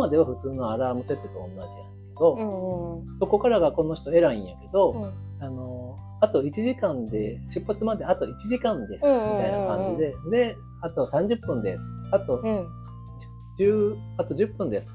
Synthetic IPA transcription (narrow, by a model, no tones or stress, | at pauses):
mad̪e̞β̞aɸɯ̟t͡sɨːno̞aɾamɯ̟se̞t̪ːet̪oõ̰nːaʑijã̰ | ake̞d̪o̞ | so̞ko̞kaɾaɡako̞no̞çi̥t̪o̞e̞ɾaĩɰ̃jake̞d̪o̞ | ano̞ | at̪o̞it͡ɕiʑikãnd̪e̞ɕɨpːat͡sɨmad̪e̞at̪o̞it͡ɕiʑikãnd̪e̞sɨmit̪ainakãɲ̟d͡ʑid̪e̞d̪e̞ | at̪o̞sãɲ̟d͡ʑɯpːɯ̟̃nd̪e̞sɨ̥at̪o̞̥ | d͡ʑɨː | at̪o̞ʑɨpːɯ̟̃nd̪e̞sɨ̥